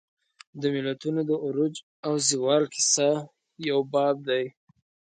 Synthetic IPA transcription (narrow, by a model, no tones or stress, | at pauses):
d̪əmɪlat̪unod̪əʔʊɾʊd͡ʒ | awziwɑlkʰɪ̥sa | jawbɑb̚d̪aj